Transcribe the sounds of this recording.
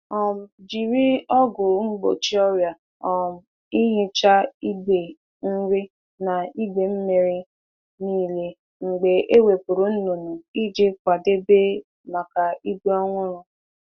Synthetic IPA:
ɔ˨m˨d͡ʒi˨ɾi˦ɔ˦ɡʊ˨ŋ͡m̩˦ɡ͡bo̰˨t͡ʃi˦ɔ˦ɾja˨ | ɔ˨m̩˨ | i˦ɦe˦t͡ʃa˦i˦ɡ͡be˨ | n̩˦ɾi˦ | na˨i˦be˨m̩˦me˨ɾɪ˦ | niː˦le˦ | ŋ͡m̩˨ɡ͡be˨ʔe˦we˨pʊ˨ɾʊ˨n̩˦no˨nu˨i˦d͡ʒe˦k̚ʷa˨de˦be˦ | ma˨ka˨i˦be˦ɔ˦ŋʷʊ˦ɾʊ˦

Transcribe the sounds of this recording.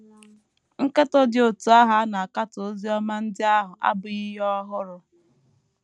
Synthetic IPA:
ŋ̩˦ke˦tɔ˦dɪ˨o˨tu˨a˦ɦa˦na˨a˨ka˦to˦zi˦ɔ˦ma˦n̩˦dɪ˦a˦ɦʊ˨ʔa̰˦bʊ˨i˦ɦɔ˦ɦʊ˦ɾʊ˨

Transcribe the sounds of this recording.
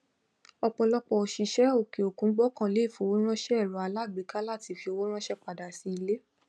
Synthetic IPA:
ɔ˧k͡pɔ˧lɔ˧k͡pɔ˧ɔ˨ʃi˧ʃɛ˦o˦˨ke˨o˨kũ˨˦ɡ͡bɔ˦kã˦˨le˨˦i˦˨fo˨˧wo˦ɾ̃ã˦ʃɛ˦ɛ˦˨ɾɔ˨a˨˧la˦˨ɡ͡be˨˦ka˦la˦˨ti˨˧fi˧o˧wo˦ɾ̃ã˦ʃɛ˦k͡pa˨da˨si˧˦i˧le˦

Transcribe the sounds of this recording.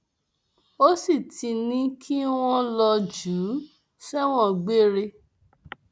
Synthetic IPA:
o˦si˦˨ti˧nĩ˦kʰi˦w̃ɔ̃˦lɔ˧d͡ʒu˨˦ | sɛ˦w̃ɔ̃˦ɡ͡be˦ɾe˧

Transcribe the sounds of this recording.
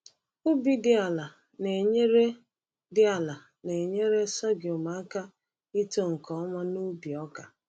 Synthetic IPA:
u˦bi˦dɪ˦a˨la˨ | ne˨ɲe˦ɾe˦ | dɪ˦a˨la˨ | ne˨ɲe˦ɾe˦sɔ˦ɡjo˨ma˨˦ka˦ | i˦to˦ŋ̩˨kɔ˨ɔ˦ma˦nu˦bi˨ɔ˦ka˨

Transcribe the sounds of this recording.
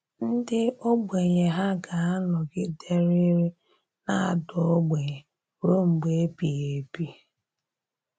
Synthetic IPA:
n̩˦dɪ˦o˦ɡ͡be˨ɲe˨ɦa˦ɡa˨a˦lɔ˨ɡɪ˦de˦ɾi˦ɾi˦ | na˦a˨dʊ˨o˦ɡ͡be˨ɲe˨ | ɾo˦ŋ͡m̩˨ɡ͡be˨e˦pi˨je˨bi˦

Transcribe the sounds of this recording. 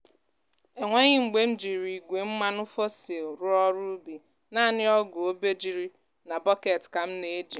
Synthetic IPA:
e˨ŋʷe˦ɲɪ˦ŋ͡m̩˨ɡ͡be˦n̩˦d͡ʒi˨ɾi˨ɡʷe˨m̩˦ma˦nʊ˦fɔ˦se˨ʊ˨ɾʊ˦ɔ˦ɾu˦bi˨ | naː˦˨nɪ˦ɔ˦ɡʊ˨o˦be˦d͡ʒi˨ɾi˦ | na˨bɔ˦ke˨tka˨m̩˦ne˦d͡ʒi˨

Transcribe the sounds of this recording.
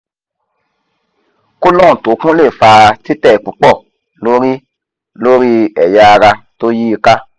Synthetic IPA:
ku˦lɔ̃˦˨to˨˦kũ˦le˦˨fa˧ti˦tɛ˦˨k͡pu˨˦k͡pɔ˦˨ | lo˦ɾi˦ | lo˦ɾi˦ɛ˨ja˧a˧ɾa˧to˦ji˦i˧ka˦

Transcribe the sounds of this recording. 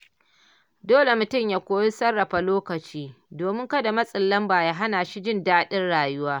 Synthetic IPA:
doː˦le˨mʊ˨tʊ˦mjaː˨kʷoː˦ji˦sɐ˦rːɐ˨ɸa˨loː˦kɐ˨t͡ʃiː˦ | doː˨mɪ˦ŋkɐ˦da˨mɐ˦sʼɪ˨lːɐ˦mbaː˨jaː˦ɦa˦naː˨ʃi˦d͡ʒɪ˦ndaː˦ɗɪ˦nɽaː˨jʊ˦waː˦

